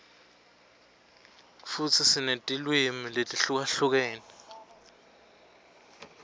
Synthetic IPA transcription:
fut͡sʰisinetʼilwimiletʼiɬuk̬aɬuk̬ɛːnɛ

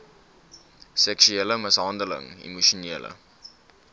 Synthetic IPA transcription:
sɛksyeləməsɦɑndələ̰ŋḭmuʃoniːlə̰

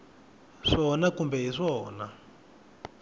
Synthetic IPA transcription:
ʂɔnakumbɛɦiʂɔːna

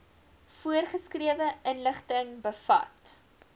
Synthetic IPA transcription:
fuərχəskriəvəənləχtəŋbəfɐ̰t

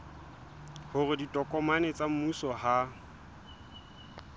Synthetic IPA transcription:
hʊrɪditʼɔkʼɔmanet͡sʼam̩musɔha

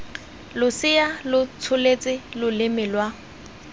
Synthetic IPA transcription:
lʊsɪalʊt͡sʰʊlet͡sʼɪlʊlɪmɪlwa

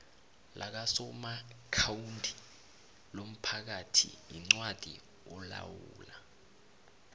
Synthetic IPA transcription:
lʔak̬asɔmakʰawuntʼi̥ | lom̩pʰak̬atʰḭiŋ͡ǀwad̥ʱḭ | ɔla̰wuːla

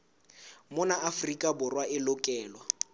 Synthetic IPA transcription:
mʊnaːfrikʼabʊrwaʔɪlʊkʼɛːlwa

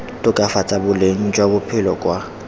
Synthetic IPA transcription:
tʼʊkʼafat͡sʼabʊleŋ̩d͡ʒʼwabʊpʰɪlɔkʼwa

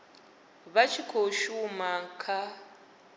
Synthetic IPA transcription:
βat͡ʃʰikʰoʃumaŋ̩kʰa

